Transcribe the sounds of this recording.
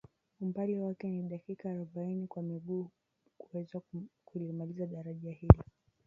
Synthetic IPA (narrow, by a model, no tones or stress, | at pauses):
umbaliwakɛniɗakikaːɾɔɓainikwamiɠuː | kuwɛzwakulimalizaɗaɾaʄahilɔ